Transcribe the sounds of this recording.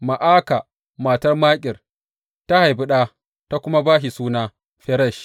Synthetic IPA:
ma˨ʔaː˦ka˨ | maː˨tɐ˦rmaː˦kʲʼɪ˨r | ta˦ha˨jbʊ˦ɗaː˦ | ta˦kʷʊ˦ma˦baː˦ʃi˨suː˦naː˦ | ɸɛ˦ɾɐ˦˨ʃ

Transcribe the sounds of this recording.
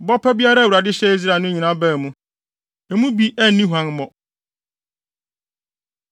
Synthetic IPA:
bɔ˦pʰɛ˦bi˦a˦ɾa˦˨wu˨ɾa˨dɪ˦ɕɛ˦i˦zɾa˨nʊ̃˦ɲĩ˨nã˦bɛː˦˨mũ˦ | ɛ˨mũ˦bi˦ʔɛ˦nːĩ˦ɦu˨ã˦nmɔ̃˨

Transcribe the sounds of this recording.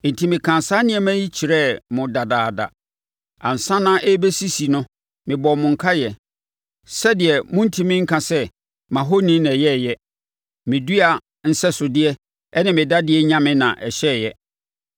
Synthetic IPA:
n̩˨tʰi˨mɪ̃˨kʰã˨nsa˦nɪ̃˦ɛ˦mæ̃˦ji˦t͡ɕʰi˨ɾɛ˦mʊ̃˨da˨daː˨da̰˨ | ã̰˨n̩˨sã˦nã˦ʔɛ˦be˦si˦si˨nʊ̃˦ | mɪ̃˨bɔ˨mʊ̃˨ŋ̩˨kʰa˦jɛ˨ | sɛ˦dɪ˨ɛ˨mʊ̃˦n̩˦tʰi˦mɪ̃˦ŋ̩˦kʰã˨sɛ˦ | mã˨ɦo˦nĩ˦nɛ̃˨jɛ˦˨jɛ˦ | mɪ̃˨du˦a˨ | n̩˦sɛ˦sʊ˨dɪ˦ɛ˦ | ɛ˦nɪ̃˨mɪ̃˨da˦dɪ˦ɛ˦ɲã˦mɪ̃˦nã̰˨ʔɛ˨ɕɛ˦˨jɛ˦

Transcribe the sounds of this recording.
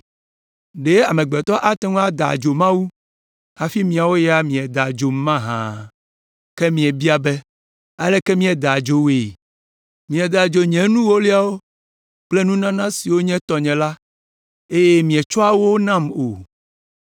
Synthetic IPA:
ɖe˦a˨mẽ˨ɡ͡bɛ˨t̪ɔ˦ʔa˦t̪ɛ˦ŋ̃˦a˦d̪a̰˨d͡ʒo˨mã˦wu˦ | ha˨fi˦mĩ˨a˨wo˦ja˦mĩ˨ɛ˨d̪a˨d͡ʒo˨m˦mã˦ɦã̰˨ | kɛ˦mĩ˨ɛ˨bi˦a˨bɛ˦ | a˦lɛ˦kɛ˦mĩ˦ɛ˨d̪a˨d͡ʒo˨we˨ | mĩ˨ɛ˨d̪a˨d͡ʒo˨ɲɛ̃˨nũ˦wo˦li˦a˨wo˦ | k͡ple˦nũ˦nã˦nã˦si˨wo˦ɲɛ̃˦t̪ɔ˨ɲɛ̃˨la˦ | e˦je˦mĩ˨ɛ˨t͡ʃɔ˦a˦wo˦nã˦˨mo˨

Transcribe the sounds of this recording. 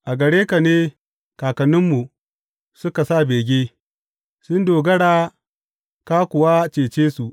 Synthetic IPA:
ʔa˨ɡɐ˨ɽeː˦ka˨neː˦ | kaː˨kɐ˨nɪ˦mːu˨ | sʊ˦ka˨sa˦˨beː˨ɡʲeː˦ | sʊ˦ndoː˨ɡɐ˦ɽaː˦ | ka˦kʷʊ˨wa˦t͡ʃeː˨t͡ʃeː˦su˨ʔ

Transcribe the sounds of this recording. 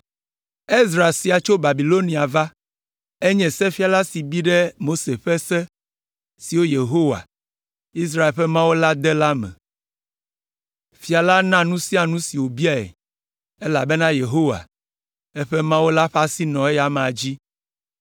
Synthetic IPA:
e˦zɾa˨e˨si˨a˨t͡ʃo˦ba˨bi˨lo˦nĩ˨a˨va˦ | e˦ɲɛ̃˨sɛ˦fi˦a˨la˦si˨bi˦ɖɛ˦mo˦se˨ɸɛ˦sɛ˦ | si˨wo˦je˨ɦo˦wa̰˨ | i˦s̬ɾa˦e˨lɸɛ˦mã˦wo˦la˦d̪ɛ˦la˦mɛ̰̃˨ | fi˨a˨la˦nã˦nũ˦si˦a˨nũ˦si˨wo˨bi˦a˨ɛ̰˨ | e˦la˨be˦nã˦je˨ɦo˦wa̰˨ | e˦ɸɛ˦mã˦wo˦la˦ɸa˦si˦nɔ̃˨e˦ja˨m̃˨a˨d͡ʑi˦

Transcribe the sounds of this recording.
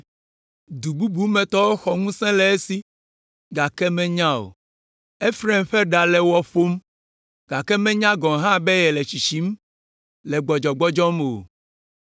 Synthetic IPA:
d̪u˨bu˦bu˦mɛ̃˨t̪ɔ˦wo˦xɔ˨ŋũ˦sɛ̃˦lɛ˨e˦si˦ | ɡa˨kɛ˦mɛ̃˦ɲã˦o̰˨ | e˦fɾɛ˦mɸɛ˦ɖa˨lɛ˨wɔ˦fo˦m | ɡ̥a˨kɛ˦mɛ̃˦ɲã˦ɡɔ̃˨ɦã˦bɛ˦jɛ˨lɛ˨t͡ɕi˨ʃi˨˦m˦ | lɛ˨ɡ͡bɔ˨d͡ʒɔ˨ɡ͡bɔ˦d͡ʒɔ˦mo˨

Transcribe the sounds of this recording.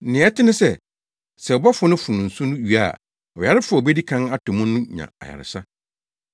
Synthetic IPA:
nɪ̃˨˦ɛ˦tʰɪ˦nʊ̃˦sɛ˨ | sɛ˨ɔ˨bɔ˦fʊ˦nʊ̃˦fũ˨n̩˨sũ˦nʊ̃˦ɥi˨a̰˦˨ | ɔ˨ja˦ɾɪ˦fʊ˦a˨bɛ˦di˦kʰã˦na˦tʰʊ̃˨mʊ̃˦ʊ̃˦ɲã̰˨a̰˨ja̰˨ɾɪ̰˨sa˦

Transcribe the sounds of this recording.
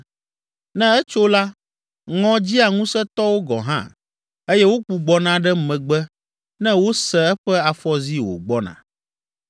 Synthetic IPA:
nɛ̃˦ɛ˦t͡ʃo˦la˦ | ŋɔ̃˦d͡ʑi˦a˨ŋũ˦sɛ˦t̪ɔ˦wo˦ɡɔ̰˨ɦã̰˦˨ | e˦jɛ˦wo˦k͡pu˨ɡ͡bɔ˨nã˦ɖɛ˦mɛ̃˨ɡ͡bɛ˦ | nɛ̃˦wo˦sɛ˨ɛ˦ɸɛ˦a˨fɔ˦zi˦wo̰˨ɡ͡bɔ˦nã̰˨

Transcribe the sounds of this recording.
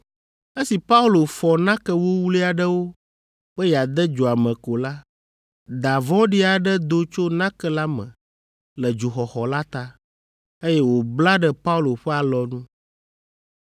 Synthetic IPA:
e˦si˨pa˦u˦lo˨fɔ˨nã˦kɛ˦wo˦wu˦li˦a˨ɖə˦wo˦ | ɸə˦ja˨d̪ɛ˦d͡ʒo˨a˨mɛ̃˨ko˨la˦ | d̪a˨vɔ̃˦ɖi˦a˨ɖɛ˦d̪o˦t͡ʃo˦nã˦kɛ˦la˦mɛ̰̃˨ | lɛ˨d͡ʒu˨xɔ˨xɔ˨la˦t̪a˦ | e˦jɛ˦wo˨bla˦ɖɛ˦pa˦u˦lo˨ɸɛ˦a˨lɔ˨nũ˦

